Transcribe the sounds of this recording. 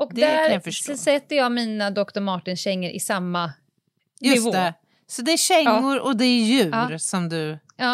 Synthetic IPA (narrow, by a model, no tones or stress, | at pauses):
ɔkd̪æɾãafəʂɔsɛt̪ːəjɑːɡmiːnad̪ɔkt̪ɔɾmɑːʈɪnɕɛŋːəɾʔɪ̰samːa | j̪ɵɪsvoːɛ | sɔd̪ɛæɕɛŋːʊɾɔd̪ɛːɾjʉ̟ːɾsɔmd̪ɵ | ɑː